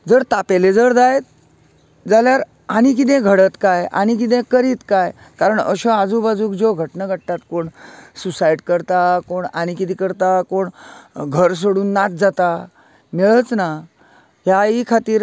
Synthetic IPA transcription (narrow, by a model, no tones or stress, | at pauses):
d͡zəɾt̪apeled͡zəɾd͡zajt̪̚ | d͡zaljaɾ | aɽ̃ik̬it̪̬ẽɡʱəɽət̪kajʔa̰ñikit̪̬ẽkəɾiːt̪kaj | kaɾəɳə̰ɕɔad͡zuːbad͡zuːkd͡ʑoɡʱəʈnəɡʱəɽʈ̪at̪koɳsusaiʈkəɾt̪akoɳaɽ̃ikit̪ĩkəɾt̪akoɳɡʱəɾs̬oɽuːnːat̪̚d͡zat̪a | miɭət͡sna | ɦjaikʰat̪iːɾ